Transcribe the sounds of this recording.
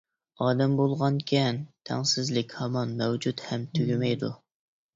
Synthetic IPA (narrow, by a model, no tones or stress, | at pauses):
ɑːd̪ɛmbolˠʁɑnkʲʰɛnt̪ʰɛ̰ŋsɪzlɪkʲhɑmɑnmɛwd͡ʒut̪hɛmt̪ʰøɡʲymɛjd̪ṵ